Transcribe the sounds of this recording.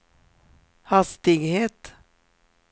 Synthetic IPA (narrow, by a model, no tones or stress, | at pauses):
hɑst̪ɪɡheːt̪